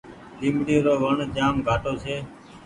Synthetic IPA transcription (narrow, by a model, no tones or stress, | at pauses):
ɗĩːmɽiːɾoːʋəɳd͡ʒaːmɡʱaːʈoːseː